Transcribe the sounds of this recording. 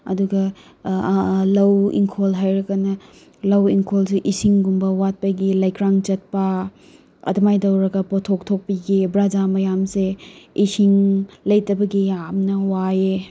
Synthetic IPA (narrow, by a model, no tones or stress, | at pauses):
ɐ̰duɡɐ | lɐwḭŋkʰolɦajɾɐkɐnɐ | lɐwiŋkʰolseʔisiŋɡumbɐwat̚pɐjɡilaɐjkɾaŋt͡ʃɐt̚pɐ | ɐ̰dɐmajdɐwɾɐɡɐpotʰok̚tʰok̚piɡibɾad͡ʒamɐjamseisiŋlɐjtɐbɐɡiamnɐwae